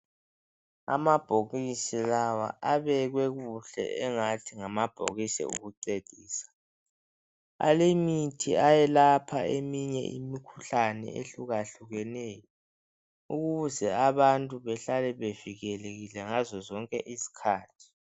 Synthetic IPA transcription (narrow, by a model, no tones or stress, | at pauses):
a̰mab̥ʱoɣisɛlawa̰aβɛɣwɛɣuɬɛ̰ɛŋatʰiŋamab̥ʱo̰ɣisɛ̰ṵɣuǀed̥ʱiːsḁ | a̰lemitʰiajɛlapʰaemiɲɛ̰ʔḭmikʰuɬanɛ̰eɬuɣaɬuɣɛnɛːjɔ | uɣuβuzɛaβantʼuβɛɬalɛβeviɣɛleɣilɛŋazɔzɔŋkʼɛʔizi̥kʰaːtʰi̥